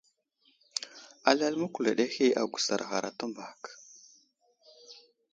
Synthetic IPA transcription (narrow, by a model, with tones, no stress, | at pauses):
a˨la˦lmə˦ku˨la˨ɗe˦xi˦a˨ɡʷu˨sa̰˨ɾɣa˨ɾa˨ta˦mba˨k